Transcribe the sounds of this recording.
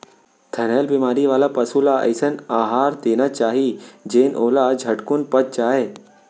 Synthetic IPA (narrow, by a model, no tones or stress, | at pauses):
t̪ʰɐɾəːlbimaːɾiʋaːlapɐsulaʔɐ̰ɪsənaːɦaːɾd̪eːnat͡ʃaːɦid͡ʒeːnʔoːlad͡ʒʱɐʈkʊnpɐt̪̚t͡ʃaːɦeː